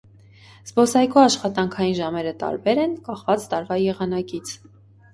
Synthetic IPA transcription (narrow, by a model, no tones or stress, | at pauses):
z̥bɔsɑjkuɑʃχɑt̪ɑŋkʰɑjinʒɑmɛɾət̪ɑ̰ɾbɛɾɛnkɑχvɑt͡st̪ɑɾvɑjɛʁɑnɑkit͡sʰ